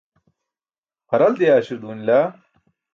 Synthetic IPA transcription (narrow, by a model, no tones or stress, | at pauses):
qɐɾɐld̪eaːɕiɾd̪uːnilaː